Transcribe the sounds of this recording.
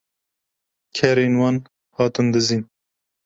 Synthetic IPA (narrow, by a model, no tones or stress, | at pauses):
kʰɛɾeːnwɑːn | hɑːt̪ɨnd̪ɨziːn